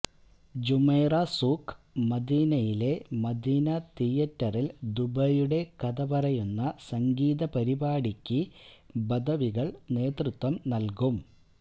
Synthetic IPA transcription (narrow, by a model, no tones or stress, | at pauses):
d͡ʑumɐjrɐsuːkː | mɐd̪iːnɐjile̞mɐd̪iːnɐt̪ijɐtːɐrild̪ubɐjuɽe̞kɐd̪ɐbɐrɐjunːɐsɐŋɡiːðɐpɐɾibaːɽikʲːibɐd̪ʱɐʋiɣɐɭne̞ːt̪rɨt̪wɐmnɐlkum